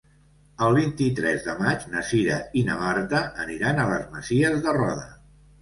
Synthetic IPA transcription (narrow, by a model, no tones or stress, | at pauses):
əlˠβint̪it̪ɾɛzðəmad͡ʒnəsiɾə̰inəmart̪əʔːniɾanələzməziəzðərɔðə